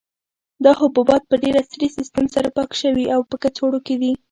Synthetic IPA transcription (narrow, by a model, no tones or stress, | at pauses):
d̪ɑhʊbubɑt̪̚pəɖeɾasɾisɪst̪əmsaɾapɑkʃəwiʔawpəkat͡soɽoked̪i